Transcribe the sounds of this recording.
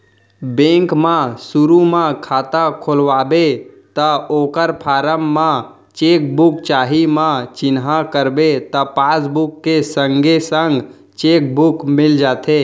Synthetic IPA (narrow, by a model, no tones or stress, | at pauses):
bẽŋkmãsuɾumãkʰaːt̪akʰolʋaːbet̪əoːkəɾpʰaːɾəmːã | t͡ʃeːk̚bʊk̚t͡ʃaːɦimãt͡ʃɪnɦakəɾbet̪ɔpaːsbukːesəŋɡʱesəŋɡ | t͡ʃek̚bukmɪld͡ʒaːt̪ʰe